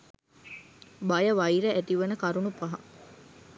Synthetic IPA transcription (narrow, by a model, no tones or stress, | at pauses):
bɐjɐʋɐiɾeʔæt̪iʋɐnəkɐɾunupɐɦɐ